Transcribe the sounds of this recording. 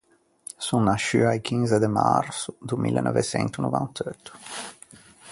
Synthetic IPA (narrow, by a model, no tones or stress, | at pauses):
sunːaʃyajkʰinzed̪ema̰rsud̪umḭlːnʔɔvesɛ̰nt̪unuvant̪ʰøt̪ːu̥